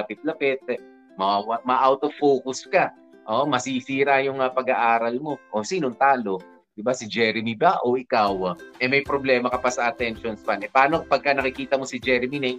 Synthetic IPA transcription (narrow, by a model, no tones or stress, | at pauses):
ɐpɪt̪̚lɐpɪt̪̚ɛ | mɐawɐmɐʔawt̪ofoːkʊskɐ | ʔoʔmɐsisiːɾajʊŋɐpɐɡaʔaːɾɐlmo̞ʔosiːnont̪aːlo̞ | d̪̥ɪbasɪd͡ʒɛɾɪmibaʔo̞ʔɪkawʔɛmɐjpɾoblɛːmɐkɐpɐsɐʔɐt̪ɛnʃonspanɛpɐaːnopɐɡ̚kːɐnɐkɪkiːt̪ɐmo̞sɪd͡ʒɛɾɪminɛj